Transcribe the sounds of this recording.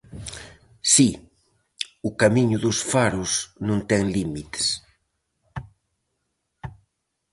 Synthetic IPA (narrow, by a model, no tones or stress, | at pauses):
si | ʊkamiɲʊðʊsfaɾʊsnũnt̪ɛŋlimit̪e̥s